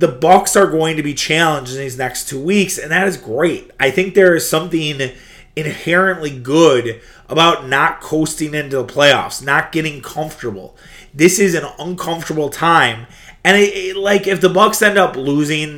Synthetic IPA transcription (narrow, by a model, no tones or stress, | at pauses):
ðəbʌksə˞ɡoʊɪ̃ŋtɨbit͡ʃʰælˠə̃nd͡ʒniznɛkstʰuwiksɨ̃nðɨɾɨzɡɹeɪt̚ʔaɪθɪ̃ŋk̚ðə˞ɨz̥sʌ̃mθɪ̃ŋ | ɨ̃nhɛɹɨ̃nʔliɡʊɾ | ʔəbaʊtⁿnət̚kʰoʊstɪ̃ŋɪ̃ntʉðəpʰl̥eɪɔ̰fsnət̚ɡ̥ɛɾɪ̃ŋkʰʌ̃ɱftə˞bl̩ˠ | ðɪsɨzɨ̃nʌ̃nkʰʌ̃ɱftə˞bl̩ˠtʰãɪ̃m | ɨ̃nɪɪlaɪkɨfðəbʌksɛ̃ndʌpluzɪ̃ŋ